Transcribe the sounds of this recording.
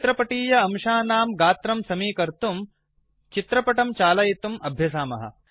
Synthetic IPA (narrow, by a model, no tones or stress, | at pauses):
t̪ɾɐpɐʈiːjɐɐmʃaːnaːmɡaːt̪ɾɐmsɐmiːkɐɾt̪um | t͡ʃit̪ɾɐpɐʈɐmt͡ʃaːlɐjit̪umɐbʱjɐs̬aːmɐ̰ɦɐ̰